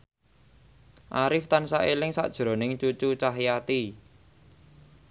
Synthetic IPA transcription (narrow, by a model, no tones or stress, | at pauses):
ʔaɾɪft̪ansaʔelɪŋsa̰ʔd̥ʒ̥ɾo̤nɪŋt͡ʃut͡ʃut͡ʃaɦjat̪i